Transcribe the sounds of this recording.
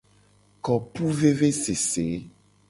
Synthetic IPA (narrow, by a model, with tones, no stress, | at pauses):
kɔ˨pu˦ve˦ve˦se˨se˨˦